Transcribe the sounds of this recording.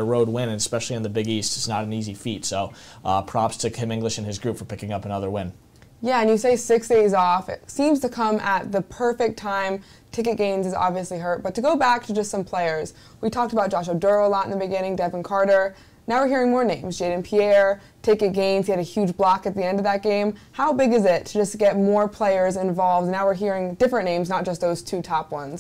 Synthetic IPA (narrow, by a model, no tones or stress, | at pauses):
əɹoʊd̚wɪ̃nɨ̃nɨspɛʃl̩ˠiɨ̃nðɨbɪɡistɨtsnəɾn̩izifitsoʊpʰɹ̥ɑpstʰɨkʰɪ̃mɪ̃ŋɡlɨʃɨ̃nɨzɡɹʉpfə˞pʰɪkɪ̃ŋʌpənʌðə˞wɪ̃n | jæɨ̃njɨseɪsɪksd̥eɪzɔfɪ̰tsĩmz̥tʰɨkʰʌ̃mʔət̪̚ðɨpʰɜ˞fɪk̚tʰãɪ̃m | tʰɪkɨt̚ɡ̥ẽɪ̃mzɨzɑ̰bviɨsliɦɜ˞t̚b̥ʌtʰɨɡoʊbæk̚tʰɨd͡ʒʌstsʌ̃mpʰl̥eɪə˞z̥ | witʰɔk̚təbaʊt̚d̥d͡ʒ̥ʒɑʃ̬ədɜ˞lɑɾɨ̃n̩ðɨbɨɡɪ̃ɾ̃ɪ̃ŋdɛṽnkʰɑɹɾə˞ | naʊwɨɹɦiɹɪ̃ŋmɔɹnẽɪ̃mzd͡ʒeɪɾɨ̃npʰiɛɹ | tʰɪkɨt̚ɡ̥ẽɪ̃mz̥iɨɾɨhjʉd͡ʒblɑkɨt̪̚ðiɛ̃ndʌvðɨt̚ɡ̥ẽɪ̃mhaʊbɪɡɨzɪtʰɨd͡ʒʌsɡ̥ɛt̚mɔɹpʰl̥eɪə˞zɨ̃ɱvɑlˠvdnaʊwɨɹɦiɹɪ̃ŋdɪfɹɨ̃nːẽɪ̃mznət̚d̥ʒ̥ʌst̚ðoʊz̥tʰʉtʰɑpwʌ̃nz̥